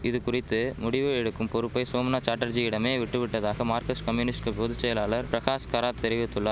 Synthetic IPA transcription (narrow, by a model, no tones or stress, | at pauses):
ɪðɯkʊrɪt̪ːɯmʊɽɪʋɯɛɽɯkːɯmpɔɾɯpːɐɪsoːmnaːt͡ʃaːʈːɐɾd͡ʒiɪɽɐmeːʋɪʈːɯʋɪʈːɐðaːɣɐmaːɾkɐskɐmjunɪsʈkɯpɔðɯt͡ʃːɛjɐlaːɭɐɾpɾɐɣaːskaːɾaːt̪ʰɛɾɪʋɪt̪ːɯɭːɐ